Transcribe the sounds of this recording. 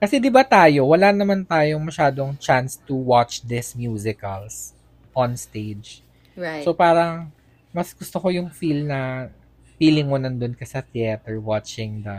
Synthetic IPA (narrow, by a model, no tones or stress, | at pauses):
kɐsɛd̪ɪbat̪aːjo̞wɐlanɐmant̪aːjoŋmɐʃaːd̪oŋt͡ʃanst̪ʊwat͡ʃd̪ɪsmjuːsɪkɐls | ʔɔnst̪ejd͡ʒ | sopaːɾɐŋ | mɐsɡʊst̪okojʊŋfilnɐ | fiːlɪŋmonɐnd̪ʊnkɐsɐt̪ɪɛt̪ɛɹwat͡ʃɪŋd̪ɐ